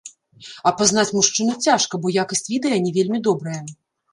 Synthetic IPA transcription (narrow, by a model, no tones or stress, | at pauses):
ɐpazn̪at͡sʲmuʂt͡ʂɨnɐt͡sʲaʂkɐbɔjakɐsʲt͡sʲvʲid̪ɐjɐnʲivʲelʲmʲid̪ɔbɾɐjɐ